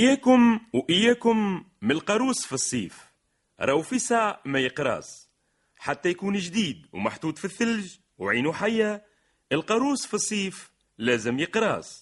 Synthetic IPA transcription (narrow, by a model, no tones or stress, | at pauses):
ʔɪjːaːkʊmwʔɪjːæːkʊmːlqɑɾuːsfisˤːiːf | ɾˤɑwfisaʕmajɪqɾɑ̰ːs | ħat̪ːajkuːnʒd̪iːd̪wmaħd̪uːd̪fiθːɪlʒ | wʕiːnuħajːa | ʔɪlqɑɾuːsfisˤːiːf | læːzɪmjɪqɾɑ̰ːs